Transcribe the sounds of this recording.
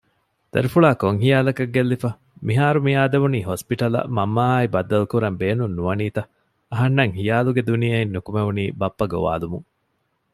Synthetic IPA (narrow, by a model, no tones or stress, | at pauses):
d̪̥ɐɾifuɭaːkoŋɦijaːlɐkɐɡːelːifɐ | miɦaːɾumijaːd̪eʋuniːɦospiʈɐlɐ̰mɐmːaːibɐd̪ːɐlukuɾɐmbeːnunːuʋɐniːt̪ɐ | ɐɦɐnːɐŋhijaːluɡed̪unijɐinːukumeʋuniːbɐpːɐɡo̰ʋa̰ːlumuŋ